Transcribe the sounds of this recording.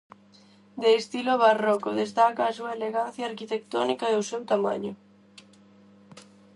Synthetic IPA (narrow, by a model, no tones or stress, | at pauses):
d̪eːst̪iloβarɔkoðest̪akaːsuaeleɣan̟θjaːɾkit̪ek̚t̪ɔnikaðowsewt̪ama̰ɲʊ